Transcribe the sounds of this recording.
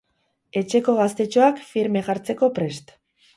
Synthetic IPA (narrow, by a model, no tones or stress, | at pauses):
e̞t͡ʃe̞ko̞ɣ̞ast̪e̞t͡ʃo̞akfiɾme̞ɣaɾt͡se̞ko̞pɾe̞st̪